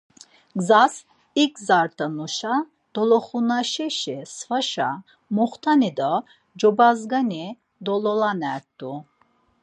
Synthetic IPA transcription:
ɡzas | ikzaɾt̪ʰənuʃa | d̪̥ɔlɔχunaʃɛʃɛsvaʃa̰ | muχt̪ʰanid̪ɔ | d͡ʒɔbazɡani | d̪ɔlɔlanɛɾt̪ːu

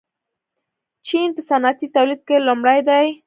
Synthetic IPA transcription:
t͡ʃinpəsanat̪it̪awlid̪̚kelumɽajd̪aj

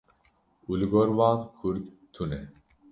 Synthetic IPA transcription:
ulɡɔɾwaːnkʰuɾd̪ | t̪ʰune

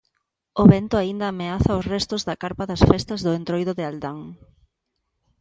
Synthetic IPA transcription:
ʊβɛnt̪ʊaind̪ɐːmeaθɐʊsrɛst̪ʊzðɐkaɾpɐðɐsfɛst̪ɐzðʊent̪ɾojðʊðɪald̪aŋ

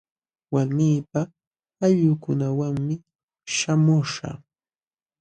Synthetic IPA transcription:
waɾmiːpa | aʎʊkʊnawaŋmɪ | ʃamʊʂa̰

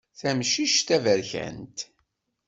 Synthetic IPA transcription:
θæmʃiʃt̪ævəɾçæ̰nt̪

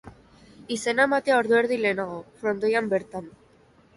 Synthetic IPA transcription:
ise̞naemat̪eao̞ɾðue̞ɾðile̞ːnaɣo̞fɾo̞nd̪o̞jambe̞ɾt̪an

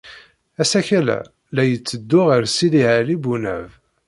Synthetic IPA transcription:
æsæçælæ̰ | læjət͡sːəd̪ːʊʁəɾsiðiʕælibunæ̰v

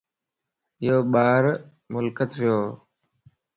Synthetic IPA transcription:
ɪjoːɓaːɾ | mʊlkət̪ʋɪjoː

